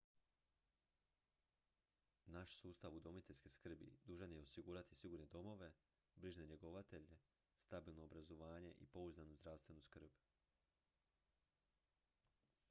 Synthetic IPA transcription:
naʃsuːst̪aʋud̪o̞mit̪eʎʲskeskr̩bḭd̪uːʒanje̞o̞siɡuːɾat̪i̥siɡuːɾne̞d̪o̞mo̞ʋe̞ | bɾiʒne̞ɲe̞ɡo̞ʋat̪e̞ʎe | st̪abiːlˠno̞ːbɾazo̞ʋaːɲe̞ʔḭpo̞uzanuzd̪ɾaʋst̪ʋe̞nuskr̩b

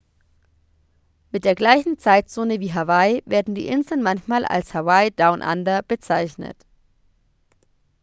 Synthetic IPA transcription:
mɪt̚d̥eːɐɡlaɪçn̩t͡saɪtt͡soːnəviːɦavaɪveːɐdn̩dḭːʔɪnzl̩nmançmaːlʔa̰lshavaɪdaʊnʔa̰ndɐb̥ət͡saɪçnə̰t

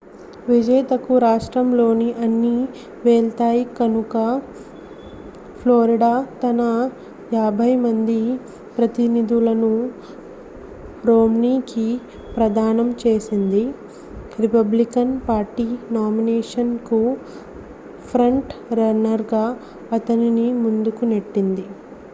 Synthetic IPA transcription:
ʋid͡ʒɐjt̪ɐkuɾaːʂʈɾɐmlo̞ːniʔɐnːi | ʋeːɭt̪aːjikɐnukɐ | pʰloːɾiɽaːt̪ɐnɐ | jaːbʱɐjmɐnd̪i | pɾɐt̪inid̪ulɐnu | ɾoːmniːki | pɾɐd̪ʱaːnɐmt͡ʃeːsind̪i | ɾipɐblikɐnpaːɾʈiːnaːmineːʂɐnku | pʰɾɐɳʈɾɐnɐɾɡaː | ɐt̪ɐninimund̪ukuneʈːind̪i

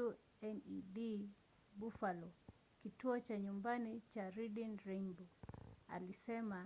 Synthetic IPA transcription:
u | ɛniɗi | ɓufalɔ | kituɔt͡ʃaɲumbanit͡ʃaɾidinɾimbɔa̰lisɛma

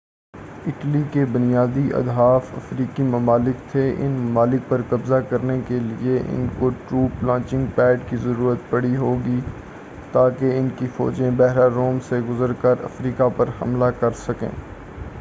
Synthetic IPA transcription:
ɪʈlikebʊnijaːd̪iʔɐ̰d̪ɦaːfɐ̰fɾiːkimɐmaːlɪkt̪ʰeʔɪ̰nmɐmaːlɪk̚pɐɾkɐbzakɐɾnekelḭeʔɪ̰nkoʈɾuːplãːt͡ʃɪ̃ŋɡ̚pɛːɖkizɐɾuːɾət̪pɐɽiɦoːɡi | t̪aːkeɪnkifɔ̰ːd͡ʒẽbɛɦɾaɾoːmseɡʊzəɾkəɾɐ̰fɾiːkapɐɾhɐ̰mlakɐɾsɐkḛ̃ː

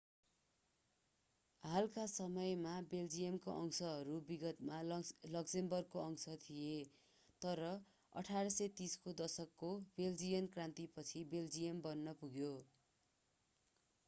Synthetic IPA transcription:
ɦalkasʌmʌjmabeld͡zijʌmkoʔʌŋsʌɦʌɾubiɡʌt̪malʌksembʌrkoʌŋsʌt̪ʰije | t̪ʌɾʌ | ʌ̰ʈʰaɾʌsʌt̪iskod̪ʌsʌkːobeld͡zijʌnkrãnt̪ipʌt͡sʰibeld͡zijʌmbʌnːʌpuɡjo

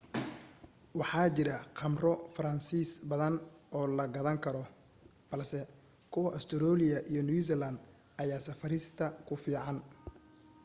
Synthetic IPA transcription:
wɑħɑːt͡ʃɪɾɐqʰɑmrɔfɐɾɐnsiːsbɐðɐnɔːlɐɡɐðɐŋkʰɐɾɔ | b̥ɐlsɛ | kʰʊwɐʔɐst̪ʰɔɾɔːlɪjɐʔijɞnus̬ɛlɐnd̪ | ʔɐjaːsɐfɐɾɪst̪ʰɐkʰʊfiːʕɑn

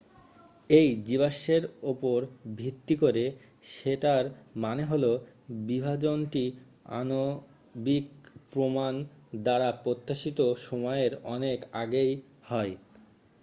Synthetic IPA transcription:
ejd͡ʑiβaʃeɾopoɾbʱit̪ːikoɾe | ʃeʈaɾmaneɦolo | bibʱad͡ʑonʈi | a̰no | bikpɾomand̪aɾapɾot̪ːaʃit̪oʃɔmɔeeɾɔnekaɡej | hɔe

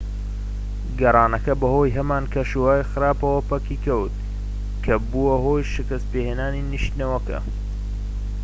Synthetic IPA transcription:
ɡɐɾˤɑːnɐkɐbɐhoːjɦɐmaːnkʰɐʃuwaːjxɨɾaːpɐwɐpɐkiːkʰɐwt̪̚ | kʰɐbuwɐɦoːjʃɪkɐst̪̚peːheːnaːniniʃt̪nɐwɐkɐ̰

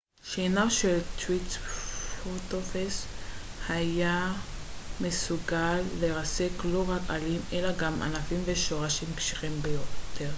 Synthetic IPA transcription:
ʃenaʃelt̪witfot̪ofeshaja | me̞suɡalːeʁase̞klo̞ʁaka̰lime̞laɡamʔa̰nafimveʃo̞ʁaʃimpʃi̥χimbejot̪ʰeʁ

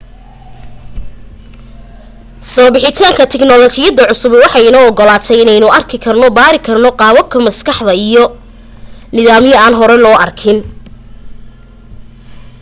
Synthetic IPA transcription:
sɔːbɪħɪt̪ʰaːŋkʰɐt̪ʰɛɡnɔlɔːt͡ʃɪjɐd̪ɐʕʊsʊbwɑħɑɪnɔːɔɡɔlaːt̪ʰɛjɪnɛjnʊɐrkʰɪkʰɐrnɔbaːɾɪkʰɐrnɔqɑːwɐb̚kʰɐmɐskʰɑħd̪ɐijɔ | nɪðaːmjɐaːnɦɔɾɛlɔːɐrkʰɪn

